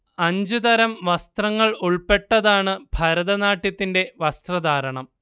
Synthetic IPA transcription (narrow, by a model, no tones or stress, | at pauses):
ɐɲd͡ʑɨt̪ɐɾɐmʋɐst̪rɐŋːɐɭuɭpe̞ʈːɐðaːɳɨbʱɐɾɐðɐnaːʈːjɐt̪ːinde̞ʋɐst̪rɐd̪ʱaːɾɐɳɐm